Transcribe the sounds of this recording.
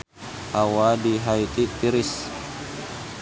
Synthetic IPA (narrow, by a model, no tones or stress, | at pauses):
hawadiɦait̪it̪iɾis